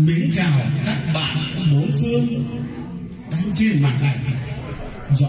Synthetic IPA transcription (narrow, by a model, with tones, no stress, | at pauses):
mḭ˧˥ənt͡ɕaː˧˩˨kaː˦˥k̚ɓa̰ː˧˨n˨˧ɓo˨˦fɨ˧əŋ | ɗa˨˧wt͡ɕi˧ənmaː˨˩a˨˩j | z